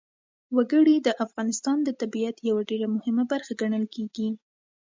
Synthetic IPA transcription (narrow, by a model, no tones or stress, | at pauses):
waɡəɽid̪əʔafɣɑnɪst̪ɑnd̪ət̪abijat̪jawaɖeɾamʊhɪmabaɾxaɡaɳəlkeɡi